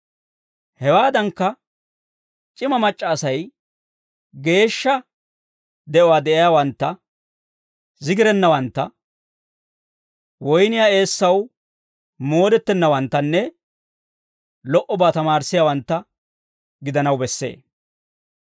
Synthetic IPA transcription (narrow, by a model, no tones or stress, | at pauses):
hɛwaːd̪ɐŋkːɐ | t͡ʃʼɪmɐmɐt͡ʃʼːɐːsɐj | ɡe̞ːʃːɐ | d̪ɛʔɔwaːd̪ɛʔɪjaːwɐnt̪ːɐ | zɪɡɪɾɛnːɐwɐnt̪ːɐ | wɔjnɪjaːe̞ːsːɐw | mo̞ːd̪ɛt̪ːɛnːɐwɐnt̪ːɐnːɛ | lɔʔɔbaːt̪ɐmaːɾsːɪjaːwɐnt̪ːɐ | ɡɪd̪ɐnɐwbɛsːe̞̰ː